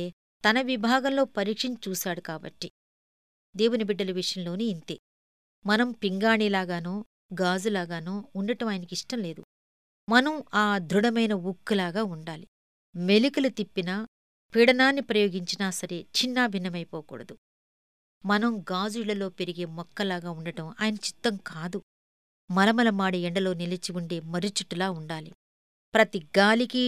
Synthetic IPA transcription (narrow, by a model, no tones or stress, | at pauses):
e | t̪ɐnɐʋibʱaːɡɐmlo̞ːpɐɾiːkʂɐɲt͡ʃt͡ʃuːsaːɽukaːbɐ̰ʈːi | d̪e̞ːwunibiɖːɐlɐʋiʂɐjɐmlo̞ːniːnt̪eː | mɐnɐmpiŋɡaːɳiːlaːɡaːnoː | ɡaːd͡ʒulaːɡaːnoːuɳɖɐʈɐmaːjɐnɐkiʂʈɐmle̞ːd̪ṵ | mɐnɐmaːd̪ʱɾuɽɐmɐjnɐukːulaːɡaːuɳɖaːli | me̞likɐlut̪ipːina | piɽɐnaːnːipɾɐjo̞ːɡiɲt͡ʃinaːsɐɾe̞t͡ʃinːaːbʱinːɐmɐjpɔːkṵːɽɐd̪u | mɐnɐmɡaːd͡ʒuiɭɐlo̞ːpeɾiɡe̞ːmɔkːɐlaːɡaːuɳɖɐʈɐmaːjɐnɐt͡ʃi̥t̪ːɐmkʰaːd̪u | mɐlɐmɐlɐmaːɽiɛɳɖɐlo̞ːnilɐt͡ʃiuɳɖe̞ːmɐɾit͡ʃuʈːulaːuɳɖaːlḭ | pɾɐt̪iɡaːliki